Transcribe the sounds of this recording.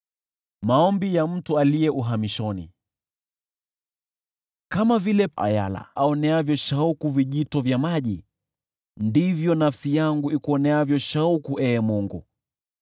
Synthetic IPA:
maɔmbijam̩tualiɛʔuɦamiʃɔnḭ | kamavilɛa̰ja̰la̰aɔnɛavjɔʃaukuviʄitɔvjamaʄi | ndivjɔnafsijaŋɡuikuɔnɛavjɔʃaukuʔɛːmuŋɡṵ

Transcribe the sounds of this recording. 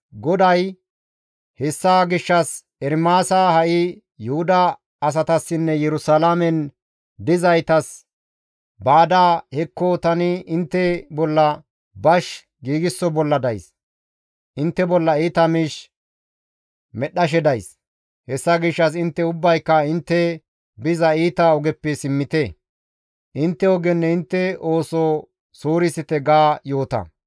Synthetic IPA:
ɡɔd̪ɐj | hɛsːaɡɪʃːɐs | ɛɾmaːsahɐʔɪ | jʊhʊd̪ɐː | s̬ɐt̪ɐsːɪnːɛjɛɾʊsalamɛn | d̪ɪzɐjt̪ɐs | baːd̪aːhɛkːot̪ɐnɪɪnt̪ːɛbɔlːɐ | bɐʃ | ɡiːɡɪsːɔbɔlːɐd̪ɐjs | ʔɪnt̪ːɛbɔlːɐiːt̪ɐmiːʃ | mɛɗːɐʃ̬ɛd̪ɐjs | hɛsːɐɡɪʃːɐs̬ɪnt̪ːɛʊbːɐjkːɐɪnt̪ːɛ | bɪzɐiːt̪ɐɔɡɛpːɛsɪmːɪt̪ɛ | ʔɪnt̪ːɛɔɡɛnːɛɪnt̪ːɛo̞ːsoː | soːɾɪsɪt̪ɛɡaːjo̞ːt̪ɐ̰

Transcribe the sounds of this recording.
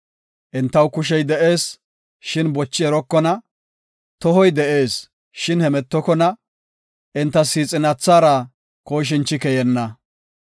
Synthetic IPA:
ʔɪnt̪ːɐwkʊʃ̬ɛjd̪ɛʔe̞ːs | ʃɪnbɔt͡ʃːɪɛɾɔkːɔnɐ | t̪ɔɦɔjd̪ɛʔe̞ːs | ʃɪnhɛmɛt̪ːɔkɔnɐ | ʔɪnt̪ːɐsiːt͡sʼɪnɐt͡sːaːɾɐ | koːʃ̬ɪnt͡ʃːɪkɛjɛnːɐ

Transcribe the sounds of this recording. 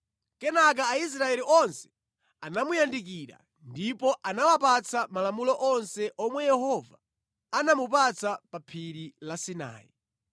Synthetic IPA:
kɛnak̬aːis̬ɾaɛliʔɔnsɛ̥ | anamujandik̬iɾa̰ | ndipɔʔanawapat͡sʰamalamulɔʔɔnsɛʔɔmwɛjɛhɔva | anamupat͡sʰapapʰiɾilasina̰ːjḭ

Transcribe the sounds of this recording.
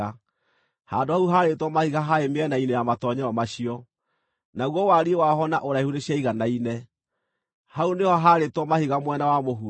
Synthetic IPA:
a | ha̰ndoauɦaɾetwɔmahiɣaɦaemeɛnainɛjamatɔɲɛɔmaɕiɔ | naɣwɔwaɾiewaɦɔnaʔoɾaehuɾeɕiaiɣanainɛ | haunehɔɦaɾetwɔmahiɣamwɛnawamoɦu

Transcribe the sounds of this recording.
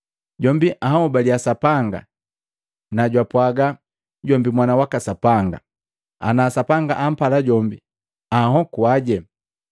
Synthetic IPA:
ɟɔmbiʔaɦɔubaliasapaŋɡa̰ | naɟwapwaɡa | ɟɔmbimwanawakasapaŋɡa̰ | a̰nasapaŋɡaʔam̩palaɟɔmbi | aɦɔkuaɟɛ

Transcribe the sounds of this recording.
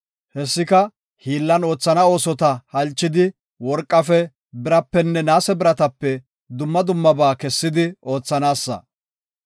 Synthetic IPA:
hɛsːɪkɐ | hiːlːɐno̞ːt͡sːɐnɐo̞ːsɔt̪ɐhɐlt͡ʃːɪd̪ɪ | wɔɾkʼːɐfɛ | bɪɾɐpːɛnːɛnaːsɛbɪɾɐt̪ɐpːɛ | d̪ʊmːɐd̪ʊmːɐbaːkɛsːɪd̪ɪo̞ːt͡sːɐnaːsːɐ̰

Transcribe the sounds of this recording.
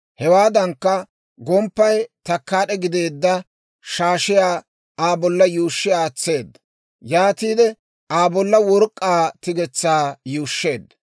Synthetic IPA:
hɛwaːd̪ɐŋkːɐ | ɡɔmpːɐjt̪ɐkːaːɗɛɡɪd̪e̞ːd̪ːɐ | ʃaːʃɪjaː | aːbɔlːɐjuːʃːɪjaːt͡sːe̞ːd̪ːɐ | jaːt̪iːd̪ɛ | ʔaːbɔlːɐwɔɾkʼːaːt̪ɪɡɛt͡sːaːjuːʃːe̞ːd̪ːɐ

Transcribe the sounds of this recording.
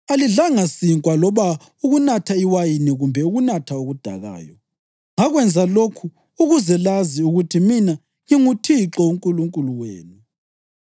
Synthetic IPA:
aliɮaŋasiŋkʼwalɔβa | uɣunatʰaiwajiniɣumbʱɛuɣunatʰauɣud̥ʱa̰ɣa̰ːjɔ | ŋaɣwɛnd͡zʱalokʰu | uɣuzɛlaziuɣutʰimina | ŋiŋutʰiǁɔuŋkʼuluŋkʼuluweːnu

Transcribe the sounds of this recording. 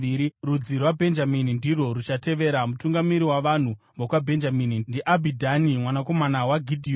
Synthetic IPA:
iirud͡zirwabʱe̞nd͡ʒaminindiro̞ɾut͡ʃate̞ʋe̞ɾamutuŋɡamiɾiwaʋan̤u | mokwabʱe̞nd͡ʒaminindiʔabʱidʱanimwanako̞manawaɡʱidʱi

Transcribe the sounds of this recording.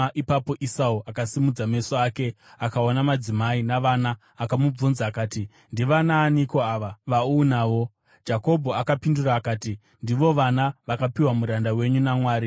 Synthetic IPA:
ʔipapo̞ʔisauakasimud͡zame̞soake̞akaonamad͡zimainaʋanaː | kamub͡vunzaːkaːti | ndiʋanaːniko̞aʋaʋaunaːʋo̞ | d͡ʒako̞bʱo̞akapinduraːkaːti | ndiʋo̞ʋanaʋakapiwamuɾandawe̞ɲunamwaːɾi

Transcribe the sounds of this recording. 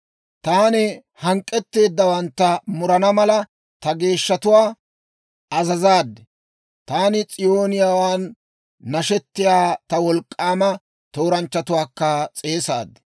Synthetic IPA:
t̪aːnɪ | hɐŋkʼːɛt̪ːe̞ːd̪ːɐwɐnt̪ːɐmʊɾɐnɐmɐlɐ | t̪ɐɡe̞ːʃːɐt̪ʊwaː | ɐzɐzaːd̪ːɛ | t̪aːnɪt͡sʼɪjo̞ːnɪjaːwaːnː | ɐʃɛt̪ːɪjaːt̪ɐwɔlkʼːaːmɐ | t̪o̞ːɾɐnt͡ʃːɐt̪ʊwaːkːɐt͡sʼe̞ːsa̰ːd̪ːɛ̥

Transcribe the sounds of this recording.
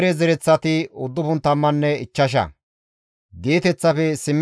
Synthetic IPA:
ɾɛzɛɾɛt͡sːɐt̪ɪʊd̪ːʊpʊnt̪ːɐmːɐnːɛɪt͡ʃːɐʃ̬ɐ̰ | d̪eːt̪ɛt͡sːɐfɛsɪmː

